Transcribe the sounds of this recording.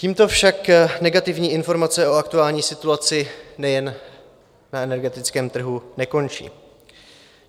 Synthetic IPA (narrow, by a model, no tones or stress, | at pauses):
ciːmt̪o̞fʃaknɛɡat̪ɪvɲiːʔɪnfo̞ɾmat͡sɛʔo̞ak̚t̪uaːlɲiːsɪt̪uat͡sɪnɛjɛn | naɛnɛɾɡɛt̪ɪt͡skɛːmt̪r̩ɦunɛko̞nt͡ʃḭː